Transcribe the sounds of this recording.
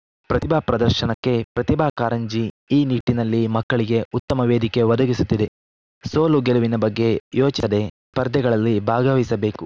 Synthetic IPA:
pɾɐt̪ibʱaːpɾɐd̪ɐɾʃɐnɐkːe̞pɾɐt̪ibʱaːkaːɾɐɲd͡ʒi | iːniʈːinɐlːimɐkːɐɭiɡe̞ut̪ːɐmɐʋeːd̪ike̞ʋɐd̪ɐɡisut̪ːid̪e̞ | soːluɡeluʋinɐbɐɡːe̞joːt͡ʃid̪e̞ | pɐɾd̪ɛɡɐɭɐlːibʱaːɡɐʋisɐbe̞ːku

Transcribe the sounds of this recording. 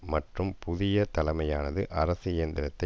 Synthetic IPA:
mɐʈrɯmpʊðɪjɐt̪ɐlɐmɐjaːnɐðɯʔɐɾɐsɯɪjɐnd̪ɪɾɐt̪ːɐ

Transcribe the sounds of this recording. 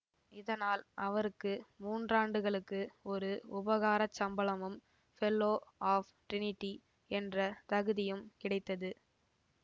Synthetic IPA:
ɪðɐnaːlʔɐʋɐɾɯkːɯmuːndraːɳɖɯɣɐɭɯkːɯɔɾɯʊbɐɣaːɾɐt͡ʃːɐmbɐɭɐmɯm | fɛlːoːaːfʈɾɪnɪʈːi | ɛndrɐt̪ɐɣɯðɪjɯmkɪɽɐɪt̪ːɐðɯ

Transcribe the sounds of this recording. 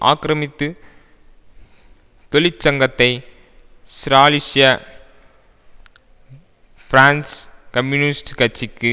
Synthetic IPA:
ʔa̰ːkɪɾɐmɪt̪ːɯ | t̪ɔlɪt͡ʃːɐŋɡɐt̪ːɐɪ | sɾaːlɪsɪjɐ | fɾaːnskɐmjunɪsʈkɐt͡ʃːɪkːɯ

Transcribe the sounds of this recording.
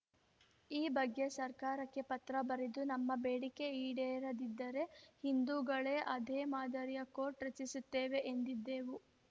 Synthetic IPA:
iːbɐɡːe̞sɐɾkaːɾɐkːe̞pɐt̪ɾɐbɐɾed̪unɐmːɐbeːɽike̞iːɽeːɾɐd̪id̪ːɐɾe̞hind̪uːɡɐɭe̞ʔɐd̪eːmaːd̪ɐɾijɐko̞ːʈɾet͡ʃːisut̪ːeːʋe̞ʔend̪id̪ːeːʋu

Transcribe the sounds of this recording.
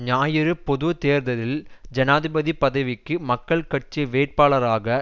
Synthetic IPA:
ɲaːjɪɾɯpːɔðɯt̪eːɾnd̪ɐðɪld͡ʒɐnaːðɪbɐðipɐðɐɪʋɪkːɯmɐkːɐɭkɐʈ̚t͡ʃiʋeːʈ̚paːɭɐɾaːɣɐ

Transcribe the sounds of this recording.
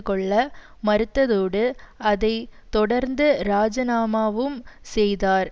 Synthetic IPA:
kːɔɭːɐ | mɐɾɯt̪ːɐðoːɽɯɐðɐɪt̪ɔɽɐɾnd̪ɯɾaːd͡ʒɐnaːmaːʋɯmsɛjðaːɾ

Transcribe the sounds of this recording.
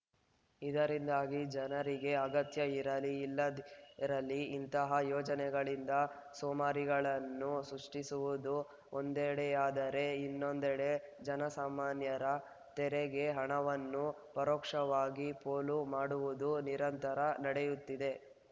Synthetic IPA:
id̪ɐɾind̪aːɡid͡ʒɐnɐɾiɡe̞ɐɡɐt̪jɐiɾɐliːlːɐɾɐlːiːnt̪ɐɦɐjɔːd͡ʒɐnɛɡɐɭind̪ɐ | soːmaːɾiɡɐɭɐnːusɾuʂʈisuʋud̪u | ond̪ɛɽeaːd̪ɐɾe̞inːo̞nd̪ɛɽe̞d͡ʒɐnɐsaːmaːnjɐɾɐ | t̪ɛɾeɡe̞ɦɐɳɐʋɐnːu | pɐɾɔːkʂɐʋaːɡipoːlumaːɽuʋud̪uniɾɐnt̪ɐɾɐnɐɽejut̪ːid̪e̞

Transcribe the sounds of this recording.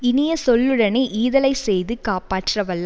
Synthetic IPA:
ɪnɪjɐsɔlːɯɽɐneʔiːðɐlɐɪsɛjðɯkaːpaːʈːrɐʋɐlː

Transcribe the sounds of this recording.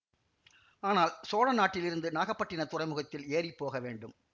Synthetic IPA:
aːnaːlsoːɻɐnaːʈːɪlɪɾɯnd̪ɯnaːɣɐpːɐʈːɪnɐt̪ʊrɐɪmɯɣɐt̪ːɪleːripːoːɣɐʋeːɳɖɯm

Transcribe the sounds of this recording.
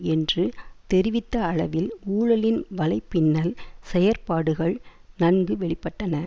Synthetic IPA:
ɛndrɯt̪ɛɾɪʋɪt̪ːɐːɭɐʋɪluːɻɐlɪnʋɐlɐɪpːɪnːɐlsɛjɐɾpaːɽɯɣɐɭnɐnɡɯʋɛɭɪpːɐʈːɐnɐ

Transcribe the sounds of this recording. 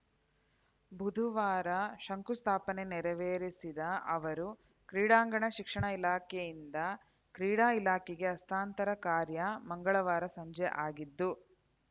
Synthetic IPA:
bʱud̪ʱuʋaːɾɐʃɐŋkust̪ʰaːpɐne̞nɛɾɐʋeːɾisid̪ɐʔɐʋɐɾu | kɾiːɽaːŋɡɐɳɐʃikʂɐɳɐilaːkɛjind̪ɐ | kɾiːɽaːilaːkɛɡe̞ɐst̪ʰaːnt̪ɐɾɐkaːɾjɐmɐŋɡɐɭɐʋaːɾɐsɐɲd͡ʒɛʔaːɡid̪ːu

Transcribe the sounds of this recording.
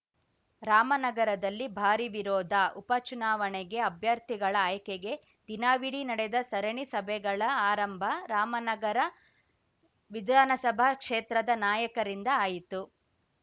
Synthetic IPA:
ɾaːmɐnɐɡɐɾɐd̪ɐlːibʱaːɾiʋiɾɔːd̪ʱɐʔupɐt͡ʃunaːʋɐɳeɡe̞ɐbʱjɐɾt̪ʰiɡɐɭɐaːjɐkeɡe̞ | d̪̥inaːʋiɽinɐɽed̪ɐsɐɾɐɳisɐbʱɛɡɐɭɐaːɾɐmbʱɐɾaːmɐnɐɡɐɾɐ | ʋid̪ʱaːnɐsɐbʱakʂeːt̪ɾɐd̪ɐnaːjɐkɐɾind̪ɐaːjit̪u

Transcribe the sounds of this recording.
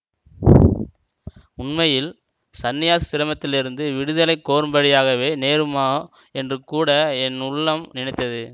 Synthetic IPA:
ʊɳmɐjɪl | sɐnːɪjaːssɪɾɐmɐt̪ːɪlɪɾɯnd̪ɯʋɪɽɯðɐlɐɪkːoːɾɯmbɐɽɪjaːɣɐʋeːneːɾɯmaː | ɛndrɯkuːɽɐɛnʊɭːɐmnɪnɳɐɪt̪ːɐðɯ

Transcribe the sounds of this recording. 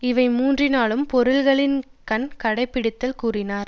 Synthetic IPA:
ɪʋɐɪmuːndrɪnaːɭɯmpɔɾɯlɣɐɭɪn | kɐnkɐɽɐɪpːɪɽɪt̪ːɐlkuːrɪnaːɾ

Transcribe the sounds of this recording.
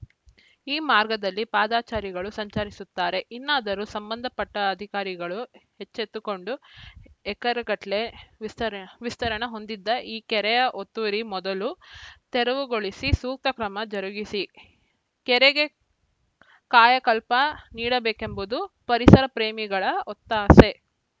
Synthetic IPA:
iːmaːɾɡɐd̪ɐlːipaːd̪aːt͡ʃaːɾiɡɐɭusɐɲt͡ʃaːɾisut̪ːaːɾe̞ʔinːaːd̪ɐɾusɐmbɐnd̪ʱɐpɐʈːɐɐd̪ʱikaːɾiɡɐɭuhet͡ʃːet̪ːuko̞ɳɖu | ɛkɐɾɐɡɐʈle̞ʋist̪ɐʋist̪ɐɾɐɳɐɦo̞nd̪id̪ːɐʔiːkɛɾɛjɐʔot̪ːuɾimɔd̪ɐlut̪ɛɾɐʋuɡo̞ɭisisuːk̚t̪ɐkɾɐmɐd͡ʒɐɾuɡisi | kɛɾeɡe̞ | kaːjɐkɐlpɐniːɽɐbeːkembud̪u | pɐɾisɐɾɐpɾeːmiɡɐɭɐɔt̪ːaːse̞

